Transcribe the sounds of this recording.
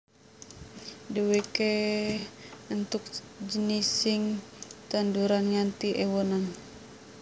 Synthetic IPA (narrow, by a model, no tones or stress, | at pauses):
dəweke | unt̪uk̚d͡ʒənisiŋt̪anduɾanŋant̪iʔɛwɔnan